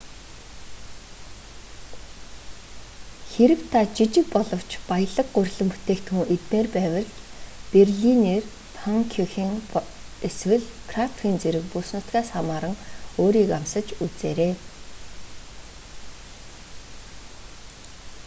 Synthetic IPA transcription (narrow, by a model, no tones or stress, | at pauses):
xeɾɘ̆wt̪ʰat͡ɕit͡ɕɪ̆k̚pɔɮɞ̆w̥t͡ɕpajə̆ɮə̆k̚ɢʊrʲɮɘ̆mpu̥t̪eːkt̪xŭŋʔet̪neːrpæːwə̆ɮperɮiniːr | t̪ʰɔŋkʰɔxiŋ | eswɘ̆ɮkʰrat̪ʰwʲiːnt͡seɾɘ̆kpusnʊt̪ɡæːsamaːɾə̆ŋoːɾiːkamsə̆t͡ɕut͡sḛːɾeː